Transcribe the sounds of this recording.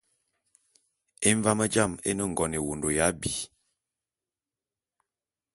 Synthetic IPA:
e˦ɱ˦va˦mə˦d͡ʒa˦˨mḛ˦nə˦˨ŋ˨ɡɔ˨ne˨wo˨ndo˨ja˦bi˨

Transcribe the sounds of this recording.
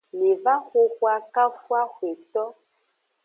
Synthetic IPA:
le˨va˦xo˦xwa˦ka˦fwa˦xwe˨t̪ɔ˦

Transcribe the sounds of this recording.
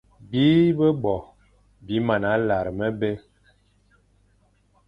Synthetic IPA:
bi˦bə˦bɔ˨ | bi˨˦ma˨na˨˦la˨ɾmə˦be˦

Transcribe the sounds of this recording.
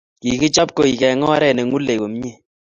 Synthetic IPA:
ki˨kɪ˦t͡ʃɔ˦p̚ko˨i˨kɛ˨˦ŋɔ˦a˦ɾɛ˦˨nɛ˨ŋu˦le˨wo˨m˦ɲe˦˨

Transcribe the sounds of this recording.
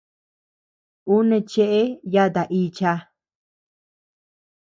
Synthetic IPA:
u˦nẽ˧t͡ʃe˦ʔe˦ja˦t̪a˨ʔi˧t͡ʃa˧

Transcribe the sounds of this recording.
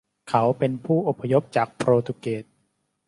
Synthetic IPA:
kʰa˦˥wpe˧npʰuː˥˩ʔo˨˩pʰːa˧jo˦˥p̚t͡ɕaː˨˩k̚pʰɾoː˧t̪ʰu˧keː˨˩t̪̚

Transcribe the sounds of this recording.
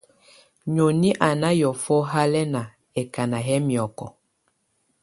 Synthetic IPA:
ɲo˨ni˦ʔa˨na˦jɔ˨fɔ˦ɦa˦lɛ˦na˨ | ɛ˨ka˨na˨ɦɛ˦mi˨ɔ˨kɔ̰˨

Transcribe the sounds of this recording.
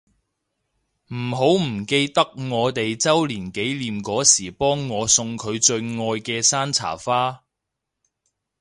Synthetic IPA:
m̩˨˩ɦo˨˥wm̩˨˩ke˧jt̪ɐ˥k̚ŋɔː˨˧t̪e˨jt͡sɐ˥wliː˨˩nke˨˥jliː˨mkɔː˨˥siː˨˩pɔː˥ŋːɔː˨˧sʊ˧ŋkʰɵ˨˧ɥt͡ʃɵ˧ɥŋɔː˧jkɛː˧saː˥nt͡sʰa̰ː˨˩faː˥

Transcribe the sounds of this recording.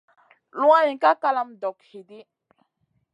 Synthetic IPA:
lwã˦jĩ˨ka˦ka˦la˦mdɔ˨khe˨de˦

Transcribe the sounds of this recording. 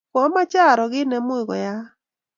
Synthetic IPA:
kɔ˨˦ma˦t͡ʃa˦˨ɾɔ˨ɡɪ˦nɛ˨mʊ˦ɪ˨ɡɔ̰˨ja˦

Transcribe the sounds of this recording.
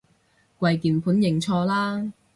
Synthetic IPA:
kʷɐ˧jkiː˨npʰuː˨˥njɪ˨˩ŋt͡sʰɔː˧laː˥

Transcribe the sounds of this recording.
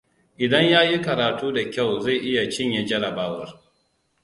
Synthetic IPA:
ʔɪ˨dɐ˦ɲjaː˦ji˦kɐ˨ɾaː˨tuː˦da˨kʲa˦˨wza˦˨jʔɪ˦ja˨t͡ʃɪ˦ɲja˨d͡ʒɐ˦ɽɐ˨baː˦wɐ˨r

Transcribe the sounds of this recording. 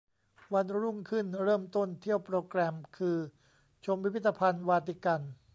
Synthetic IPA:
wa˧nɾu˥˩ŋkʰɯ˥˩nɾɤː˥˩mt̪o˥˩nt̪ʰi˥˩əwpɾoː˧kɾɛː˧mkʰɯː˧ | t͡ɕʰo˧mpːi˦pʰi˥t̪ːa˧pʰa˧nwaː˧t̪i˧˩ka˧n

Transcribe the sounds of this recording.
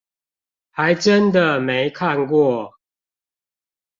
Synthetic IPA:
ha˨˦ɪʈ͡ʂə˦nd̪ə˨me˨˦ɪkʰa˥˨nkwɔ˥˨

